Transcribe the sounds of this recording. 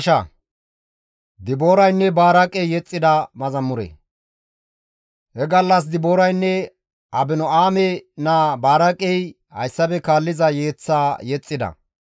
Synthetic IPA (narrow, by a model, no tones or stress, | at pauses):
ʃɐ | d̪ɪboːɾɐjnːɛbaːɾɐkʼɛjjɛt͡sʼːɪd̪ɐmɐzɐmːʊɾḛ | hɛɡɐlːɐs̬d̪ɪboːɾɐjnːɛ | ʔɐbɪnɔaːmɛnaːbaːɾɐkʼɛj | hɐ̰jsːɐbɛkaːlːɪzɐjeːt͡sːaːjɛt͡sʼːɪd̪ɐ̰